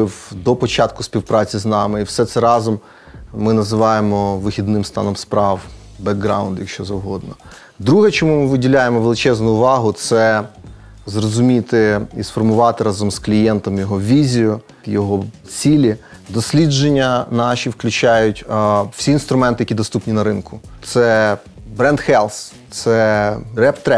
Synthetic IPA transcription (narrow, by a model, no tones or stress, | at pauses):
ɪwd̪ɔpɔt͡ʃɑt̪̚kʊsʲpʲiwpɾɑt͡sʲiznɑmɪiwsɛt̪sɛɾɑzɔmː | ɪnɐzɪʋɑjemɔʋɪxʲid̪nɪmst̪ɑ̰nɔmspɾɑw | bɛɡɡɾɑ̰wnd̪jɐkʃt͡ʃɔzɐwɦɔd̪nɔ | d̪ɾuɦɛt͡ʃɔmumɪʋɪdʲilʲajemɔʋelˠɪt͡ʃɛznʊʊʋɑɦʊt̪sɛ | zrɔzʊmʲit̪ɪisfɔrmʊʋɑt̪ɪɾɑzɔmzklʲijɛnt̪ɔmjɔɦɔʋʲizʲijʊ | jɔɦɔ | t͡sʲilʲi | d̪ɔsʲlʲid͡ʒenʲːɐnɑʃʲiwklʲʉt͡ʃɑjʊtʲw̥sʲiːnst̪ɾʊmɛnt̪ɪjɐkʲid̪ɔst̪upnʲinɐɾɪnkʊt̪sɛ | bɾɛnd̪xɛlˠs | t̪sɛrɛpt̪ɾɛ